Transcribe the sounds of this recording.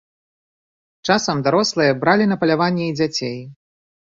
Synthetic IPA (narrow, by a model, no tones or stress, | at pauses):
t͡ʂasɐmd̪aɾɔslˠɨjɐbɾalʲinɐpɐlʲavanʲːɛid͡zʲat͡sʲej